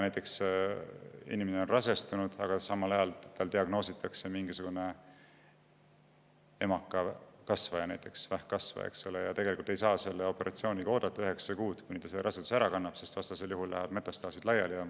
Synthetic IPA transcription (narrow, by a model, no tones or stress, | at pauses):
næjt̪ːˑe̞ks | ḭnimeneo̞nrɑse̞st̪unud̪̥ɑ̰ɡ̥ɑsɑmːɑlɑjɑlt̪ːɑld̪iɑɡno̞ːsit̪ːˑɑkse̞miŋɡisuɡ̥une̞ | e̞̰mɑkːˑɑkɑsvɑjɑnæjt̪ːˑeksvæhkɑsvɑ̰ḛksolejɑt̪eɡe̞likult̪e̞jsɑːse̞lːeo̞pe̞ɾɑt̪sio̞ːnʲikɑo̞ːd̪̥ɑt̪ːˑɑyɦe̞ksɑkuːd̪̥kujnit̪ɑseɾʔɑset̪u̥sæɾɑkɑnːɑb̥se̞st̪vɑst̪ɑse̞ljuɦulːæ̰ɦæb̥me̞t̪ːˑɑst̪ɑːsid̪lɑjɑ̰ljɑ